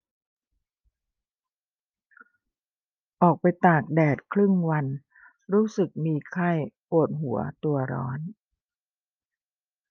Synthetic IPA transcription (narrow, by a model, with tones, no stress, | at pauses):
ʔɔː˨˩k̚pa˧jt̪aː˨˩k̚dɛː˨˩t̪̚kʰlɯ˥˩ŋwa˧n | ɾuː˦˥sɯ˨˩k̚miː˧kʰa˥˩jʔo˨˩t̪̚ɦu˨˩˦ɐ̰t̪u˧ɐɾɔ̰ː˦˥n